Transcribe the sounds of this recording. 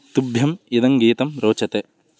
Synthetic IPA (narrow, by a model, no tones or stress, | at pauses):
t̪ubʱjɐmid̪ɐŋɡiːt̪ɐmɾoːt͡ʃɐt̪e